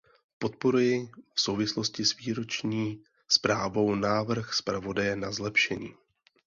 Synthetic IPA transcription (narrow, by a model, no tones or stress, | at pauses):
po̞t̪̚po̞ɾujɪfso̞wvɪslo̞scɪsviːɾo̞t͡ʃɲiː | spɾaːvo̞wnaːvr̩xspɾavo̞dajɛnazlɛpʃɛɲiː